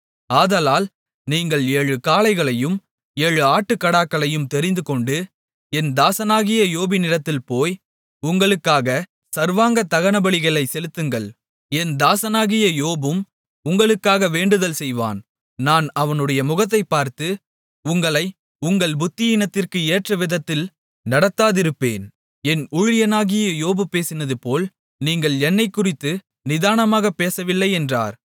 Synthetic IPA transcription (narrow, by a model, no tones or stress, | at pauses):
aːðɐlaːl | niːŋɡɐɭeːɻɯkaːlɐɪɣɐɭɐjɯm | eːɻɯaːʈːɯkːɐɽaːkːɐɭɐjɯmt̪ɛɾɪnd̪ɯkɔɳɖɯ | ɛnd̪aːsɐnaːɣɪjɐjoːbɪnɪɾɐt̪ːɪlpoːj | ʊŋɡɐɭɯkːaːɣɐ | sɐɾʋaːŋɡɐt̪ːɐɣɐnɐbɐɭɪɣɐɭɐɪsɛlɯt̪ːɯŋɡɐɭ | ɛnd̪aːsɐnaːɣɪjɐjoːbɯm | ʊŋɡɐɭɯkːaːɣɐʋeːɳɖɯðɐlsɛjʋa̰ːn | naːnɐʋɐnɯɽɐjɐmʊɣɐt̪̬ːɐɪpːaːɾt̪ɯ | ʊŋɡɐɭɐɪ | ʊŋɡɐɭbʊt̪ːɪjɪnɐt̪ːɪrkɯeːʈrɐʋɪðɐt̪ːɪl | nɐɽɐt̪ːaːðɪɾɯpːḛːn | ɛnʊɻɪjɐnaːɣɪjɐjoːbɯpeːsɪnɐðɯpoːl | niːŋɡɐɭɛnːɐɪkːʊrɪt̪ːɯ | nɪðaːnɐmaːɣɐpːeːsɐʋɪlːɐɪɛndra̰ːɾ